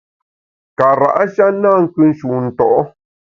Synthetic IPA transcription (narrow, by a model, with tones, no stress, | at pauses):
ka˨ɾa̰˨ʔa˦ʃa˦nã˦˨ŋ̩˦kɨ˦n˦ʃu˨n̩˨t̪o˨ʔo˦